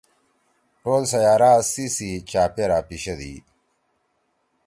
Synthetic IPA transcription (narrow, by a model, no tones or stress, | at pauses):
ʈoːlsɐjaːɾaːsisit͡ɕaːpeɾaːpiɕɐd̪ḭ